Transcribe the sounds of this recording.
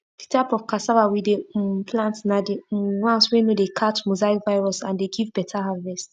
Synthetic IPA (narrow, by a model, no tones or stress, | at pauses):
ditʰaɪpɔvkasavawidepʰlãntnadiwãnswẽnodekʰat͡ʃmozaikvaɪɹɔsãndeɡivbɛtʰaɦavɛst